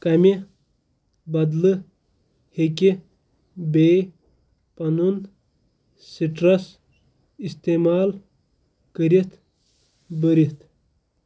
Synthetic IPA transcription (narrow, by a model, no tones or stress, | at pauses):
kɐmʲi | bɐd̪lɨ | hekʲi | beː | pɐnun | siʈɾɐs | ist̪eːmaːl | kəɾit̪ | bəɾit̪